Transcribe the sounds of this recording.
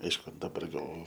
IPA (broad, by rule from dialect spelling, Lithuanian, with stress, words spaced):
ˈɐɪʃkʊ dɐˈbɐr ɡɐlˠ